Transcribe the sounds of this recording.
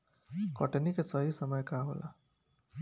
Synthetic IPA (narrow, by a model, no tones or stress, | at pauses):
kʌʈenikesʌɦisʌmʌjkaɦo̰lʔa̰